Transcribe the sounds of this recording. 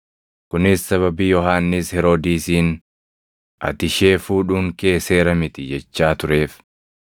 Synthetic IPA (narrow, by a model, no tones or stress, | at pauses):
kʊnɪsːɐβɐbiːjɔɦaːnːɪshɛɾoːd̪iːsiːn | ʔɐ̰t̪ɪʃe̞ːfuːᶑuːŋke̞ːse̞ːɾɐmɪt̪ɪd͡ʒɛt͡ʃːaːt̪ʊɾe̞ːf